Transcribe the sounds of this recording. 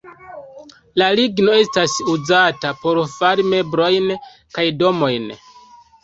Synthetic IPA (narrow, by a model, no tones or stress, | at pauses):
laliɡno̞e̞stasuzatapo̞ɾfaɾime̞bɾo̞jn | kajdo̞mo̞jn